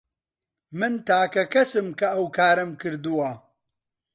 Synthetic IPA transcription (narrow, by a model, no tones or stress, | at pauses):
mɨnt̪ʰaːkɐkɐsɨmkɐɐwkʰaːɾɐmkɨɾd̪uwɐ